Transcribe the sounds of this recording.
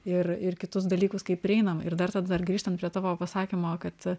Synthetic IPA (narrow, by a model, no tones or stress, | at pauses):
ɪrɪrkʲɪt̪ʊs̬d̪ɐlʲiːkʊskɐɪp̚pʲːɾʲɪɛɪnɐmɪ̰rd̪ɐrt̪ɐd̪ɐd̪ɐrɡɾʲiːʃt̪ɐnt̪pɾʲiɛt̪ɑːʋoːpɐsɑːkʲimoːkɐt̪